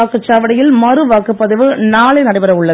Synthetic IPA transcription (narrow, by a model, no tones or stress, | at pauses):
aːkːɯt͡ʃːaːʋɐɽɐjɪlmɐrɯʋaːkːɯpːɐðɯʋɯnaːɭɐɪnɐɽɐɪbɐɾɐʊɭːɐ